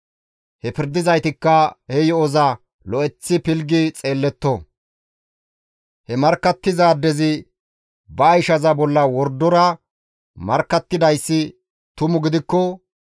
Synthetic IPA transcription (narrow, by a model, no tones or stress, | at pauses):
hɛpɪɾd̪ɪzɐjt̪ɪkːɐhɛjɔɔzɐ | lɔɛt͡sːɪpɪlɡɪt͡sʼe̞ːlːɛt̪ːɔ | hɛmɐɾkːɐt̪ːɪzaːd̪ɛzɪ | bɐːjʃɐzɐbɔlːɐwɔɾd̪ɔɾɐ | mɐɾkːɐt̪ːɪd̪ɐjsːɪ | t̪ʊmʊɡɪd̪ɪkːɔ